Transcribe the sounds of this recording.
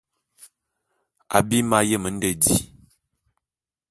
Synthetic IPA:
a̰˨bi˦ma˦jə˦˨mə˨˦n̩˦də˨di˦

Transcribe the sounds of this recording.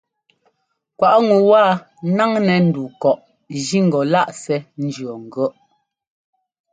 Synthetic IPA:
kwa˨ʔŋu˨waː˦˨ | na˦ŋnɛ˨n̩˦du˨kɔ˨ʔ | d͡ʒi˦ŋ̩˨ɡɔ˨la˦ʔsɛ˨n̩˦d͡ʒɰɔ˨ŋ̩˨ɡɔ˦ʔ

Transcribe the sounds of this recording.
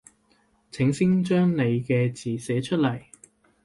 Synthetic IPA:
t͡sʰɪ˨˥ŋsɪ˥ŋt͡ʃœː˥ŋne˨˧jkɛː˧t͡siː˨˩sɛː˨˥t͡ʃʰɵ˥t̚lɐ˨˩j

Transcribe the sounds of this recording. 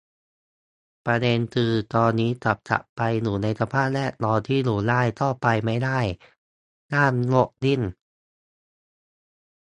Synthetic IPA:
pɾa˧de˧nkʰɯː˧t̪ɔː˧nːiː˦˥t̪a˨˩p̚t͡ɕʰa̰˨˩ʔpa˧jnuː˩˦na˧jt̪ʰa˧pʰaː˥˩t̪̚lɛ˦˥˩lɔː˧t̪ʰiː˥˩luː˨˩laː˥˩jt̪ʰɔː˥˩pa˧jma˥˩jdaː˥˩j | naː˥˩mlo˥˩k̚li˥˩n

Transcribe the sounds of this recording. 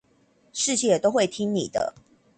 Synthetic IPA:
ʂɻ̩˥˧t͡ɕʰi˥˨jɛ˨t̪o˥ʊxwe˥˨ɪt̪ʰi˦ŋni˨˩d̪ə̰˦

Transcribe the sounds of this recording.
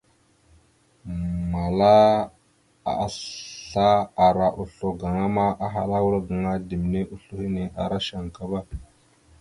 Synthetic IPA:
ma˨la˦ | a̰˨ɬa˦a˨ɾa˨ʔu˨ɬo˨ɡa˨ŋa˦ma˦ʔa˦ɦa˨la˦wu˦ɾa˦ɡa˨ŋa˦di˨m˨ne˦ʔu˦ɬu˦hi˦ne˨ʔa̰˨ɾa˦ʃa˨ŋ˨ka˦ba˦

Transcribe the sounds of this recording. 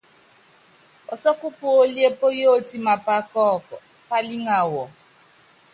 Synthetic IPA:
ɔ˨sɔ˦ku˦pu˨o˦li˦e˦po˦je˦o˦ti˦ma˨pa˦kɔ˦˨ | pa˦li˦ŋa˨wɔ˨

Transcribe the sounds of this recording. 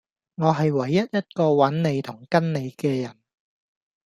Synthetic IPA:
ŋɔː˨˧ɦɐ˨jwɐ˨˩jːɐ˥t̚jɐ˥t̚kɔː˧wɐ˨˥nne˨˧jt̪ʰʊ˨˩ŋkɐ˥nne˨˧jkɛː˧jɐ˨˩n

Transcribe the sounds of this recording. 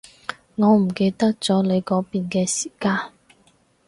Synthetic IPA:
ŋɔː˨˧m̩˨˩ke˧jt̪ɐ˥k̚t͡sɔː˨˥le˨˧jkɔː˨˥piː˨nkɛː˧siː˨˩kaː˧n

